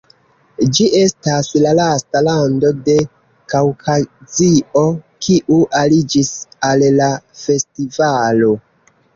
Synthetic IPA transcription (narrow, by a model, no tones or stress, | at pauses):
d͡ʒiʔe̞staslalastalando̞de̞ | kawkʰazio̞kʰiʔuʔalid͡ʒisallafe̞stivalo̞